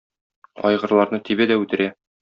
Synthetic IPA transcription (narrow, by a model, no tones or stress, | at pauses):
ɒ̰jʁɤ̆ɾlˠɑɾnɤt̪ʰibæd̪æʉt̪ɘ̆ɾæ